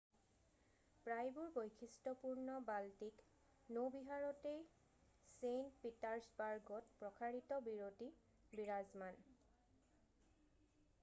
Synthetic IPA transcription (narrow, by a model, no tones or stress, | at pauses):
pɹajbuɹbojkʰistɔpuɹnɔbaltik | nobiɦaɹɔtej | sentpitaɹsbaɹɡɔtpɹɔkʰaɹitɔbiɹoti | biɹazman